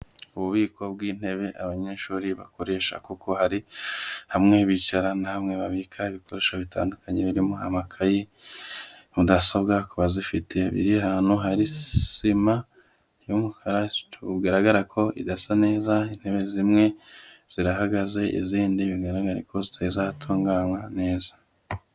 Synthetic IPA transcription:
uβuβiːkʰo̞b̚ɡiːn̥he̞βe̞ʔaβaɲe̞ːʃuːɾiβa̰ko̞ɾe̞ːʃa̰kuko̞haɾihamŋe̞βit͡ʃaɾanahamŋe̞βaβikʰaiβikoɾe̞ːʃaβita̰ːndukʰaɲe̞βiɾimo̞amakʰaji | mudasobɡakuβazifitʰe̞βḭɾiaɦaːn̥huɦaɾisima | jumukʰaɾatʰuɡaɾaɡaɾakʰo̞ʔḭdasane̞ːzain̥he̞βe̞zimŋe̞z̥iɾaɦaɡaze̞ʔḭziːndiβiɡaɾaɡaɾḛkʰo̞zitʰaizatʰoːŋɡaːnwane̞ːza

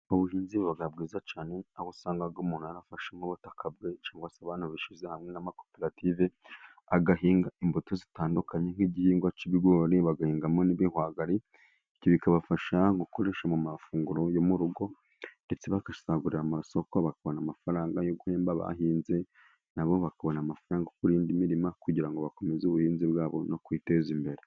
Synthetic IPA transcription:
oβuhiːnziββaɡabɡiːzat͡ʃaːne̞aβosaːŋɡabɡumuːn̥huaɾafaʃeŋ̥oβotakʰabɡe̞t͡ʃaːŋɡwasaβaːn̥huβiʃizehamŋenamako̞̥peɾative | aɡaɦiːŋɡaimbutozitaːndukaɲe̞ŋ̥hiːɟihiːŋɡwat͡ʃiβiɡoːɾeβaɡahiːŋɡamoniβihwaːɡaɾi | ciβikaβafaʃaŋɡukoɾe̞ʃamumafuːŋɡuɾo̞jomuɾuɡo̞ | nde̞t͡seβakḁsaɡuɾiɾamaso̞koβakaβo̞namafaɾaːŋɡajoɡuheːmbaβa̰ɦiːnze̞ | naβo̞βakaβo̞namafaɾaːŋɡakuɾiːndimiɾimakuɟiɾaŋɡo̞βako̞me̞zuβuhiːnziβwaːβo̞̰no̞kwiːte̞zimbe̞ɾe

